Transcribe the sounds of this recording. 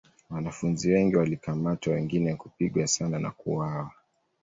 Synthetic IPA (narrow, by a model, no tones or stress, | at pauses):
wanafunziwɛŋɡiwalikamatwawɛŋɡinɛkupiɠwasanana̰kṵawa